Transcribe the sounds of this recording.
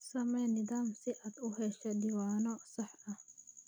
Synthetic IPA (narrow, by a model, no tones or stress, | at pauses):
sɐmenid̪aːmsiʔɐt̪uɦeɕɐd̪iwaːnosɐħɐ